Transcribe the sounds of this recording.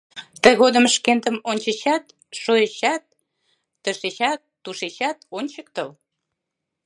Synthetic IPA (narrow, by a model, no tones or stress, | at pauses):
t̪əɣod̪əmʃkent̪əmonʲt͡ɕəɕɑt̪ | ʃojəɕɑt̪̚ː | ə̆ʃeɕɑt̪ːuʃeɕɑt̪onʲt͡ɕəkt̪əl